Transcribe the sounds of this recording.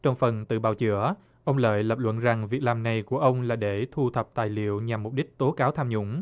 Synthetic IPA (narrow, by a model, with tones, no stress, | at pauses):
t͡ɕɔ˧wŋ͡mfə˨˩nt̪ɨ̰˧˨ɓa̰ː˧˩wt͡ɕɨ̰˧˦ə | ʔə˧wŋ͡mlə̰ː˧˨jlə˨˩p̚lwə̰˧˨nza˨˩ŋvi˨˩ək̚laː˨˩mna˨˩jku˧˩əʔə˧wŋ͡mlaː˨˩ɗe˧˩t̪ʰu˧t̪ʰə˨˩p̚t̪a̰ː˧˨jlḭ˧˨əwɲa˨˩mːʊ˨˩k͡p̚ɗi˦˥k̟̚t̪o˨˦kaː˨˦wt̪ʰaː˧mɲʊ̰˧˥ŋ͡m